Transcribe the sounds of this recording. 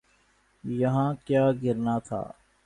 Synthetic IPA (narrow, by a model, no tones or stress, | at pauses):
jɐɦãːkjaːɡɪɾnat̪ʰa̰ː